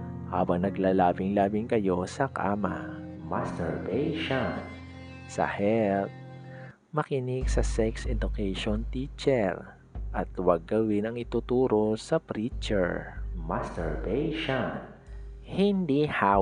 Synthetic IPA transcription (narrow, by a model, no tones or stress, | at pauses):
ha̰ːbɐŋnɐɡlaːlaːbɪŋlaːbɪŋkɐjo̞sɐka̰ːmɐ̰ | mast̪ɛɹbɛjʃan | sɐ̰hɛlt̪̚ | mɐkɪnɪɡsɐsɛksʔɛd̪ʊkɛjʃont̪iːt͡ʃɛɹ | ʔɐt̪wɐɡ̚ːɐwɪnɐŋɪt̪ʊt̪uːɾo̞sɐpɾit͡ʃɛ̰ɹmast̪ɛɹbɛjʃan | hɪnd̪iha